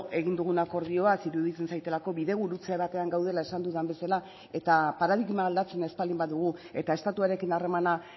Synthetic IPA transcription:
e̞ɣind̪uɣ̞unako̞ɾð̞io̞asiɾuðit͡se̞nsajt̪e̞lako̞βiðe̞ɣ̞uɾut͡seβ̞at̪e̞aŋɡawðe̞lae̞sand̪uðambe̞sala | e̞t̪apaɾaðiɣmaːld̪at͡se̞ne̞spalimbaðuɣ̞ue̞t̪ae̞st̪at̪uaɾe̞kinare̞mana

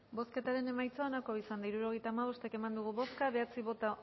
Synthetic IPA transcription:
bo̞ske̞t̪aɾe̞ne̞majt͡soonakoisand̪aiɾuɾo̞ɣ̞e̞jt̪aːmaβ̞o̞st̪eke̞mand̪uɣ̞uβo̞skaβe̞at͡siβot̪a

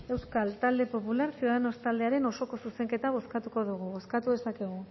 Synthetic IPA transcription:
e̞wskalt̪ald̪e̞po̞pulaɾsiuðanost̪ald̪e̞aɾe̞no̞so̞ko̞suse̞ŋke̞t̪aβ̞o̞skat̪uko̞ðuɣuβo̞skat̪uðe̞sakeɣ̞u

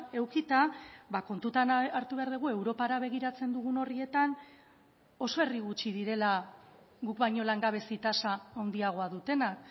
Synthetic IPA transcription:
e̞wkit̪abako̞nt̪ut̪anaɾt̪uβe̞aɾðeɣ̞ue̞wɾo̞paɾaβ̞e̞ɣ̞iɾat͡se̞nd̪uɣ̞uno̞rie̞t̪an | o̞so̞e̞riɣ̞ut͡ʃið̞iɾe̞la | ɡukβajɲo̞laŋɡaβ̞e̞sit̪asaːwnd̪iaɣ̞o̞aðut̪e̞nak

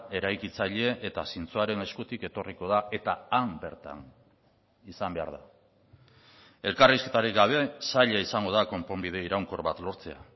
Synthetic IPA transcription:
e̞ɾajkit͡saʎe̞ʔet̪asint͡suaɾe̞ne̞skut̪ike̞t̪o̞riko̞ð̞ae̞t̪aambe̞ɾt̪a̰n | isambe̞a̰ɾð̞a | e̞lkariske̞t̪aɾikɡaβ̞e̞saʎaisaŋɡo̞ð̞ako̞mpo̞mbiðe̞iɾawŋko̞ɾβat̪lo̞ɾt͡se̞a̰

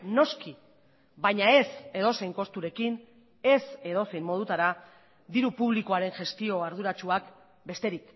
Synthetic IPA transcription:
no̞ski | bajɲae̞se̞ð̞o̞se̞jŋko̞st̪uɾe̞kin | e̞se̞ðo̞sejmmo̞ðut̪aɾa | d̪iɾupuβlikoaɾe̞nʝe̞st̪io̞aɾð̞uɾat͡ʃuak | be̞st̪e̞ɾik

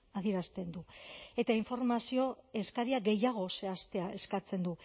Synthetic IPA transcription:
aðieɾast̪e̞nd̪ue̞t̪aiɱfo̞ɾmasio̞e̞skaɾiaɡe̞jaɣ̞o̞se̞ast̪e̞ae̞skat͡se̞nd̪u

